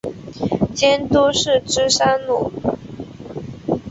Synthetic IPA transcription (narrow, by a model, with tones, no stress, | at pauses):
t͡ɕjɛ˥nt̪u˥ʂɻ̩˥˩ʈ͡ʂɻ̩˥ʂa˥nnṵ˨˩˦